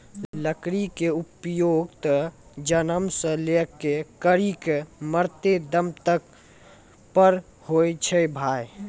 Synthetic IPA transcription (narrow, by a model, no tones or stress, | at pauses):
ləkɾikeʊpjoːɡt̪əd͡ʒənəmsə̃lekekəɾikməɾt̪ed̪əmt̪ək | pəɾ | hojt͡ʃʰebʱaːj